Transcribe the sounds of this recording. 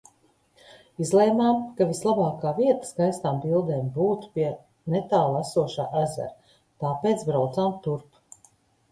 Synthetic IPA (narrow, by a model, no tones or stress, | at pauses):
izleːmaːmkavislˠabaːkaːviɛt̪ḁskajst̪aːmbilˠd̪eːmbuːt̪u̥piɛ | nɛt̪aːlˠasuɔʃaːʔæzɛ̰ɾ | t̪aːpeːt̪sbɾawt̪saːmt̪uɾp